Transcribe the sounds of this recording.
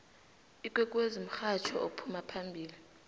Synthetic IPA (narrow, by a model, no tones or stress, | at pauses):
ikʼwɛkʼwezim̩xat͡ʃʰɔopʰumapʰambʱiːli